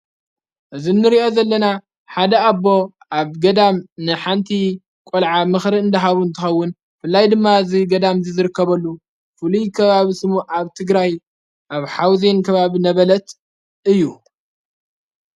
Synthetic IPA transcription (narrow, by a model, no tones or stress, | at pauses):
ʔɨzinːɨɾio̞zɐlːɐna | ħad̪ɐabːo̞ | ʔaβɡɐd̪amnɨħant̪ʰi | kʼolʕamɨxɾiɨnd̪ɐɦaβuɨnt̪ʰɨxɐwːʊn | fɨlːajd̪ɨmːaziɡɐd̪amzizɨɾɨkːɐβɐlːu | fɨlujkʰɐβaβisɨmuʔaβt̪ʰɨɡɾaj | ʔaβħawzenkʰɐβaβinɐβɐlɐt̪ | ʔɨjːu